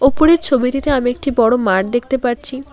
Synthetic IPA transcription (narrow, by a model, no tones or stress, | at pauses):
opoɽeɾt͡ɕʰobiʈit̪eamiek̚ʈibɔɽomaʈ̚d̪ek̚ʰt̪epaɾt͡ɕʰi